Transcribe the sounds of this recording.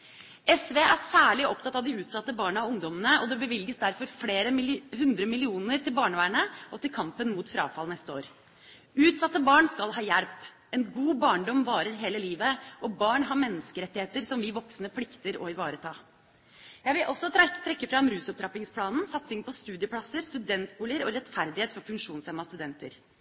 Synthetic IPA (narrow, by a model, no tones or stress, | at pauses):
ɛsʋeːæsæːɭɪʔɔpt̪ʰɑt̪ːɑʋd̪ɪʉːt̪sɑt̪ːəbɑːɳəɑʋʊŋd̪ɔmənəɔd̪ɛbəʋɪlɡəsd̪æɾfɔɾfleːɾəɦʉnd̪ɾəmɪlɪuːnəɾt̪ɪlbɑːɳəʋæːɳəʔɔt̪ɪlkʰɑmpənmuːt̪fɾɑ̰ːfɑlnɛst̪əo̰ːɾ | ʉːt̪sɑt̪ːəbɑːɳskɑlɦɑːjæɾp | ɛnɡuːbɑːɳɖ̪ɔmʋɑːɾəɾɦeːləliːʋəʔɔbɑːɳɦɑɾmɛnːəskəɾɛt̪ːɪheːt̪əɾsɔmʋɪʋɔksnəpʰlɪkt̪əɾɔ̰ɪʋɑːɾət̪ʰɑː | jæɪʋɪlʔɔsːɔt̪ʰɾɛkːəfɾɑmɾʉːsɔp̚t̪ʰɾɑpɪŋspʰlɑːnn̩sɑt̪sɪŋpʰɔst̪ʉːd̪ɪəpʰlɑsəɾst̪ʉd̪ɛnt̪uːləɾɔɾɛt̪fæɾd̪ɪheːt̪fɔɾfʉŋkʂuːnshɛmːɑst̪ʉd̪ɛnt̪ə̰ɾ